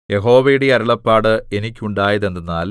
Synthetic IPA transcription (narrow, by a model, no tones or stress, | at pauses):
je̞ɦo̞ːʋɐjuɽeɐɾuɭɐpːaːɽɨe̞nikʲːuɳɖaːjɐðend̪unːaːl